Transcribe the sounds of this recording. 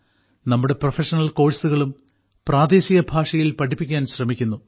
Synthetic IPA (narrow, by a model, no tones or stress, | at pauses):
nɐmːuɽe̞profeʂɐnɐlko̞ːɻsuɣɐɭum | praːd̪eːsiɣɐbʱaːʂɐjilpɐʈipːikʲːaːnɕrɐmikʲːunːu